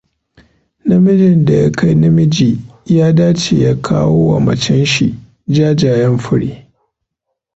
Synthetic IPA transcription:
nɐ˦mɪ˦d͡ʒɪ˨nda˨ja˦kʰa˦jnɐ˦mɪ˦d͡ʒiː˨jaː˦daː˦t͡ʃeː˨jaː˦kʰaː˦woː˦wa˨mɐ˨t͡ʃɛ˦nʃḭ˨ | d͡ʒaː˦d͡ʒaː˨jɛ˦mɸʊ˦ɽi˦

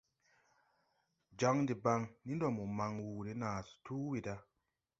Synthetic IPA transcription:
d͡ʒa˨˦ŋdi˨ba˧ŋni˦ndɔ˨mu˨ma˨ŋwu˨ɾi˦naː˨stu˦wi˨da˧˦

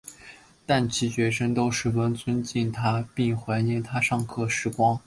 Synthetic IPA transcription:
t̪a˥˩nt͡ɕʰi˧˥t͡ɕɥɛ˧˥ʂə˥ŋt̪o˥ʊʂɻ̩˥˩wə˥nt͡sʰwə˥nt͡ɕi˥˩nt̪ʰa˥pi˥˩ŋxwa˧˥ɪɛ˥˩nt̪ʰa˥ʂɑ˥˧ŋkʰɤ˥˩ʂɻ̩˥˩kwɑ˥ŋ

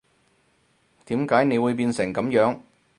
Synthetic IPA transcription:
t̪iː˨˥mkaː˨˥jne˨˧jwuː˨˧jpiː˧nsɪ˨˩ŋkɐ˨˧˥mjœː˨˥ŋ

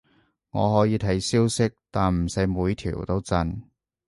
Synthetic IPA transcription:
ŋɔ̰ː˨˧ɦɔː˨˥jiː˨˧t̪ʰɐ˨˥jsiː˥wsɪ˥k̚t̪aː˨nm̩˨˩sɐ˨˥jmuː˨˧jt̪ʰḭ˨˩wt̪o˥wt͡sɐ˧n

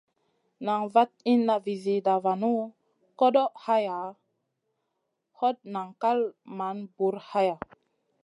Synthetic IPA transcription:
na˨ŋva˦t̪̚i˦nːa˨vi˨zi˨da˨va˨nu˦ | ko˦ɗo˦ʔha˦ja˨ | ho˦t̚na˨ŋka˦lma˨˦nbu˨˦ɾha˦ja˨

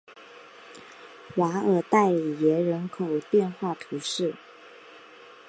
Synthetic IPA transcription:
wa˧˥ə˨˩t̪a˥˩ɪ˨˩jɛ˧˥ɻə˧˥nkʰo˨˩ʊt̪jɛ˥˧nxwa˥˩p̪ʰi˧˥ʂɻ̩˥˩

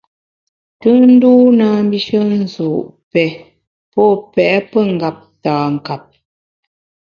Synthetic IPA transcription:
tɨ˦n̩˦duː˦naː˨˦m˦bi˦ʃə˦n̩˦˨zu˨ʔpɛ˨ | pɔ˦pɛ˨ʔpə˦˨ŋ˨ɡa˨p̚taː˨ŋ˨ka˨p̚

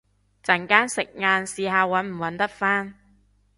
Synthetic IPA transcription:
t͡sɐ˨˩ŋkaː˥nsɪ˨k̚ŋaː˧nsiː˨˧ɦaː˨˧wɐ˨˥nm̩˨˩wɐ˨˥nt̪ɐ˥t̚faː˥n

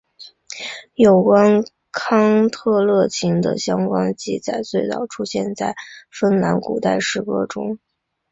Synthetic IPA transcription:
jo˨˩ʊkwa˥n | kʰɑ˥ŋt̪ʰɤ˥˧lɤ˥˩t͡ɕʰi˧˥ŋd̪ə̰˨ɕjɑ˥ŋkwa˥nt͡ɕi˥˩t͡sa˨˩ɪt͡swe˥˧ɪt͡s̪ɑ̰˥˩ʊʈ͡ʂʰu˥ɕjɛ˥˧nt͡sa˥˩ɪfə˥nla˧˥nkṵ˨˩t̪a˥˧ɪʂɻ̩˥˩kɤ˥ʈ͡ʂʊ̰˥ŋ

